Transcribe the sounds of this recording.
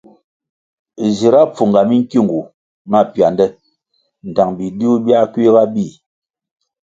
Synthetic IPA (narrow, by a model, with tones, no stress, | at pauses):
zi˨ɾa˦p͡fu˨ŋɡa˨mi˦ŋ˦ki˦˨ŋɡu˨ | ma˦˨pja˨ndɛ˦ | n̩˨ta˨ŋbi˨di˦u˦bja˦ki˦ɣa˦bi˦˨